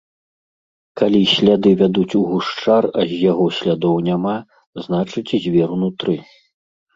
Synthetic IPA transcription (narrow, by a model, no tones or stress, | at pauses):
kalʲisʲlʲad̪ɨvʲad̪ut͡sʲuɣuʂt͡ʂarɐzʲjaɣɔsʲlʲad̪ɔwnʲama | znat͡ʂɨt͡sʲzʲvʲɛɾunut̪ɾɨ